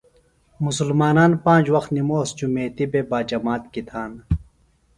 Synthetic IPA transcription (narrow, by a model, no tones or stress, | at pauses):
musulmaːnaːnpãːnd͡ʑwɐxt̪nimoːsd͡ʑumeːt̪ibebaːd͡ʑɐmaːt̪kit̪ʰaːn